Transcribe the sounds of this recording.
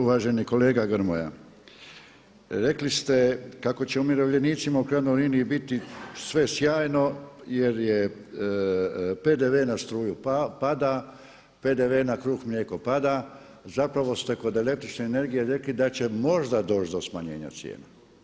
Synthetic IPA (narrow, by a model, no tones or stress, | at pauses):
uʋaːʒe̞niko̞le̞ːɡaɡɾmo̰ja̰ | ɾe̞klist̪e̞kako̞t͡ɕeumiɾoʋʎe̞niːt̪simaukɾad̪nojliniibit̪isʋe̞sjaːjno̞je̞ɾje | pe̞d̪eʋenast̪ɾuːjupad̪a | pe̞d̪eʋenakɾuːxmʎeko̞pad̪a | zapɾaʋo̞st̪e̞ko̞d̪e̞le̞kt̪ɾit͡ʃneːne̞ɾɡijeɾe̞klid̪at͡ɕe̞mo̞ʒd̪ad̪o̞ːt͡ʃd̪o̞smaɲe̞̰ːɲa̰t̪sjḛːna